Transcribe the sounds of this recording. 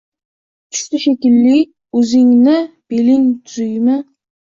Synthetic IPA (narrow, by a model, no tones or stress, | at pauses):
t͡ʃʰy̥ʃt̪ɪʃekʲilːɪkʲ | øzɪŋnɪb̥elɪŋt̪ʰyzyjmɪ